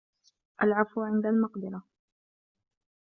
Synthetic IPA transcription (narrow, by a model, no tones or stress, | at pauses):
ʔalʕafuʕɪnd̪almɑqd̪ɪɾa